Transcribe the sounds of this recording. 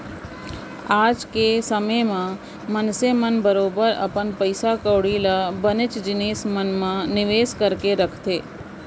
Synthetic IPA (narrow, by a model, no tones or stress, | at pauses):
aːd͡ʒkesəməjmã | mənsemənbəɾoːbəɾə̰pənpəɪsakəːɽilabənɪt͡ʃd͡ʒɪneːsmənmãnɪʋeːskəɾkeɾəkʰt̪eː